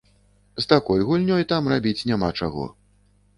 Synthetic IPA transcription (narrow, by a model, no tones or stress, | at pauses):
zt̪akɔjɣulʲnʲɔjt̪amrabʲit͡sʲnʲamat͡ʂaɣɔ̰